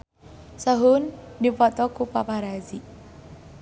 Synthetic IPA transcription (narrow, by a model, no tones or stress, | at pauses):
səɦunːipɔt̪ɔkupapaɾad͡zi